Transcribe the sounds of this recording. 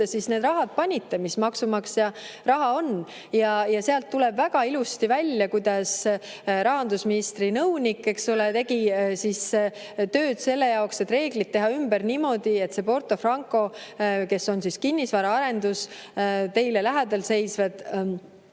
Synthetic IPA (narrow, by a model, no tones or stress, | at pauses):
esisne̞ːd̪rɑɦɑd̪̥̚pɑnʲit̪ːe̞mismɑksumɑksjɑrɑɦɑo̞n | jɑjɑseɑlt̪ːulɛb̥væɡ̥ɑilust̪ivælʲjɑkujd̪̥ɑs | ɾɑɦɑnd̪usminist̪rinɤwnʲikːe̞ksolet̪e̞ɡisis | t̪ø̞ːd̪̥se̞lːe̞jɑokse̞t̪ːre̞ːɡ̥lit̪̚tːe̞ɦɑymb̥æɾnimo̞d̪ie̞t̪se̞po̞rt̪ˑo̞frɑŋkˑo̞ke̞so̞nsiskinʲːisvɑːɾɑɑɾe̞nd̪̥ust̪e̞jle̞læɦæd̪̥ɑlse̞jsved̪̥